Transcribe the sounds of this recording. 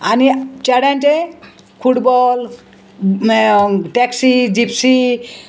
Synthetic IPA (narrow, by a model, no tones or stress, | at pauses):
anit͡ʃaɽanʈe | kʰuʈbɔl | ʈeksid͡ʒipʰsi